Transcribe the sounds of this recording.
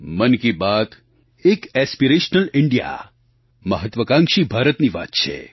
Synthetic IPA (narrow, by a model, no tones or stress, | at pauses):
mənkibat̪ | ekɛspiɾeʃnəlɪɳɖija̰ | məɦət̪ʋəkãŋkʃibʱaːɾət̪niʋa̰t̪̚t͡ʃʰḛ